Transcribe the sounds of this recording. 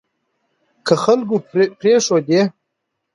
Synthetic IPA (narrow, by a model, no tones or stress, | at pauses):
kəxalɡupɾeʂod̪e